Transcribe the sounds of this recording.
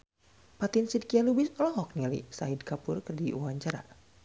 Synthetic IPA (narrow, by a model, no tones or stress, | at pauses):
pat̪insid̚kialubisɔlɔɦɔk̚nilḭsaɦidkapʊrkɨrdiʔuaɲt͡ʃaɾa̰